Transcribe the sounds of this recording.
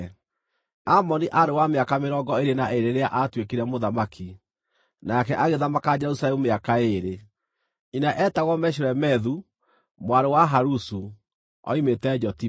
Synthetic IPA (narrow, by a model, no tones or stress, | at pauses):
amɔniʔaɾewameakameɾɔɡɔeɾenaʔeɾeɾeaʔatwekiɾɛmoðamakʰi | nakɛʔaɣeðamakad͡ʒɛɾusalɛmumeakaeɾe | inaʔɛtaɣɔmɛɕ̬oɾɛmɛðu | mwaɾewaɦaɾusu | ɔ̰imetɛd͡ʒɔti